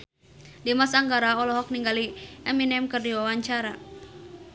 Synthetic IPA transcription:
dimasaŋɡaɾaɔlɔɦɔk̚niŋɡaliɛminɛmkɨrdiwawaɲt͡ʃaɾa

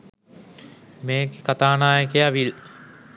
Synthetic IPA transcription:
meːkekat̪aːnaːjəkeaʋil

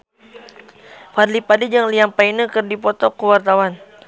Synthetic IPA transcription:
farlipadid͡ʒaŋliampainəkɨrdipɔt̪ɔkuwart̪awan

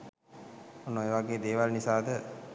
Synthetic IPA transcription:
onːoeːʋaɡeːd̪eːʋalnisaːd̪ə

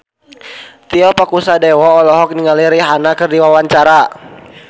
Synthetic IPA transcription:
t̪iɔpakusadɛwɔːlɔɦɔk̚niŋaliɾiɦanakɨrdiwawaɲt͡ʃaɾa

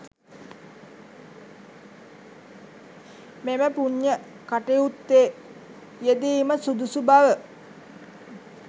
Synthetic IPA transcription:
meməpuɲːə | kaʈeut̪ːeː | jed̪iːməsud̪usubaʋə

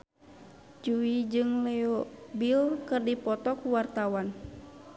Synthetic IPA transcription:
d͡ʒuid͡ʒɨŋlɛɔbilkɨrdipɔt̪ɔkuwart̪awan

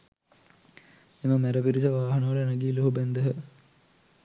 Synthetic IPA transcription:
eməmæɾəpiɾisəʋaːɦɐnəʋɐlənɐɡiːloɦubænd̪əɦə

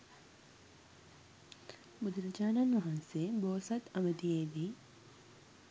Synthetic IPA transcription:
mud̪ɾɐd͡ʒaːnɐnʋɐɦɐnseboːsɐt̪ɐməd̪ijeːʋiː

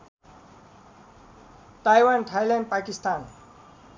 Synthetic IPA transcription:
ʈajwanʈʰajlanɖ̚pakist̪an

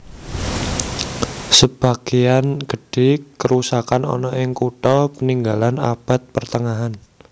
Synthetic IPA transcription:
səb̥a̤ɡ̥ijanɡ̥ə̤ɖ̥ekəɾusakanɔ̰nɔʔɪŋkuʈ̪ɔpəniŋɡalana̰b̥a̤t̪̚pərt̪əŋaɦan

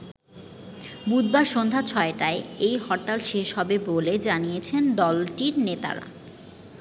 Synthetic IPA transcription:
bud̪̚baɾʃond̪ʱat͡ɕʰɔeʈaeejhɔɾt̪alʃeʃɦɔbeboled͡ʑanijet͡ɕʰend̪ɔlʈiɾnet̪a̰ɾa̰

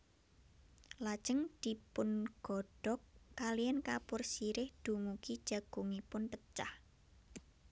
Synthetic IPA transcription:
lḁʒ̥əŋd̪̥i̤pʊnɡ̥ɔ̤ɖ̥ɔkːalijankapʊrsiɾɪhd̪̥ṳmukid̥ʒ̥a̤ɡ̥ṳŋipʊnpət͡ʃah

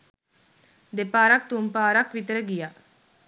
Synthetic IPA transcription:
d̪epaːɾak̚t̪umpaːɾakʋit̪əɾəɡija

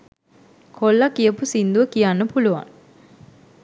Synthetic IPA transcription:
kʰolːakijəpusind̪uʋəkijanːəpuluʋa̰ŋ

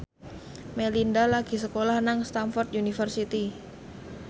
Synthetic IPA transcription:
melindalaɡ̥i̤səkolahnaŋst̪anfɔrt̪junifərsit̪i

